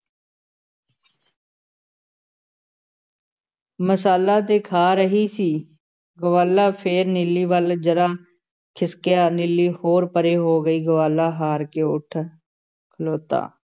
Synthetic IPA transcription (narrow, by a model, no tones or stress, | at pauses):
məsaːlaːt̪eːkʰaːɾəɦiːsiː | ɡəʋaːlaːpʰeːɾnɪlːiːʋəld͡ʒəɾaː | kʰɪskɪjaːnɪlːiːhoːɾpəɾeːɦoːɡəiːɡəʋaːlaːɦaːɾkeːʊʈʰ | kʰəloːt̪a̰ː